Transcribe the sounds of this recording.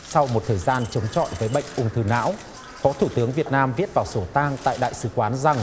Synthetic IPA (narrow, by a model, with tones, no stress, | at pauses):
sa˧wmo˨˩t̚t̪ʰəː˨˩jzaː˧nt͡ɕə˨˦wŋ͡mt͡ɕɔ̰˧˨jvəː˨˦jɓə̰˧˨jŋ̟ʔʊ˧˩ŋ͡mt̪ʰɨ˨˧˩na̰ː˧˥w | fɔ˨˦t̪ʰu˧˩t̪ɨ˨˦əŋvi˨˩ət̚naː˧mvi˦˥ət̚vaː˨˩wso˧˩t̪aː˧ŋt̪a̰ː˧˨jɗa̰ː˧˨jsɨ̰˧˩kwaː˨˦nza˨˩ŋ